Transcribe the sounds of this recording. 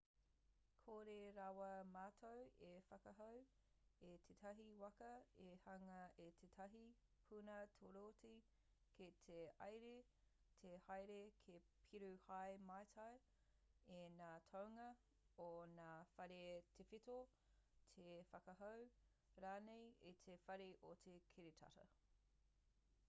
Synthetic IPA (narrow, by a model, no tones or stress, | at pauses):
kʰoːɾeɾawɐmaːtʰowefɐkɐɦɐw | etʰetʰɐɦiwɐkɐehɐŋɐetʰetʰɐɦi | pʰuːnɐtʰoɾoːt͡si | kʰitʰeɐ̰jɾe | tʰehajɾekʰepʰiɾuhajmɐjtʰɐj | enaːtʰɐwŋɐ | onaːfɐɾetʰefito | tʰefɐkɐɦɐw | ɾaːnejetʰefɐɾeʔotʰekʰeɾetʰɐ̰ɾɐ̰